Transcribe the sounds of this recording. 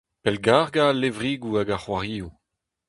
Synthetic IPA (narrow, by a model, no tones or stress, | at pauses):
pɛlɡaʁɡalevʁiɡuaɡaχwaʁiːu